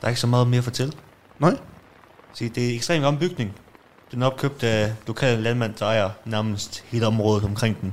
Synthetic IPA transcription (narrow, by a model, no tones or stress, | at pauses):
d̥ɑ̈ɐeɡ̥əsɒ̽mɑ̈ːð̩ˠme̝ːɐfɒt͡sʰel̰ | nɑ | siːd̥e̝eɡ̥sd̥ʁḛːm̥ɒ̽mb̥yɡ̥ne̝ŋ | d̥enæɒ̽b̥̚kʰøb̥̚d̥l̥o̝kʰɛ̰ːllænmæn̰d̥ɑ̈ɪɐnæɐməsd̥he̝ːləɒ̽mʁɔ̽ːð̩ˠɒ̽mkʰʁeŋ̰d̥en